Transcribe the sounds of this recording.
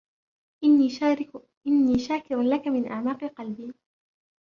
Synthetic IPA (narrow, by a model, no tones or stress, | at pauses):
ɪ | ʔɪnːiːʃaːkɪɾalakamɪnʔaʕmaːqɨqɑlbiː